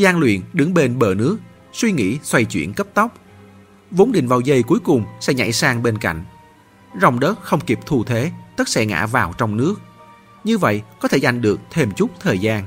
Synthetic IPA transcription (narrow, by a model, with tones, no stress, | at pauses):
zaː˧ŋlwḭ˧˨ənɗɨ˨˦ŋɓe˧nɓəː˧˩nɨ˦˥ək̚ | swi˧ŋḭ˧˥swa˧jt͡ɕwḭ˧˩ənkə˦˥p̚t̪ə˦˥wk͡p̚ | vo˨˦nɗï˨˩ŋvaː˨˩wzə˧jku˨˦əjkʊ˨˩ŋ͡msɛ̰˧˥ɲa̰˧˩jsaː˧ŋɓe˧nka̰˧˨jŋ̟ | za˨˩wŋ͡mɗəː˦˥t̚xə˧wŋ͡mki˨˩p̚t̪ʰu˧t̪ʰe˨˦t̪ə˦˥t̚sɛ̰˧˥ŋa̰ː˧˥vaː˨˩wt͡ɕɔ˧wŋ͡mnɨ˦˥ək̚ | ɲɨ˧və̰˧˨jʔkɔ˨˦t̪ʰe˧˩za˨˩jŋ̟ɗɨ˨˩ək̚t̪ʰe˧˩mt͡ɕʊ˦˥k͡p̚t̪ʰəː˨˩jzaː˧n